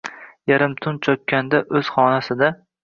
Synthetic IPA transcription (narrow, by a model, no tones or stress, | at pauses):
jaɾɪmt̪ʰʊnt͡ʃʰɒkʲːand̪aʔɵz̥χɒnasɪd̪a